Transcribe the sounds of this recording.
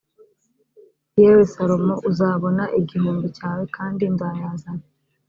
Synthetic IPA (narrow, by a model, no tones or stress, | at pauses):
jeːwe̞saɾo̞moʔuzaːβo̞naʔiɟihuːnducaːwe̞kʰaːndinzaːjaːzana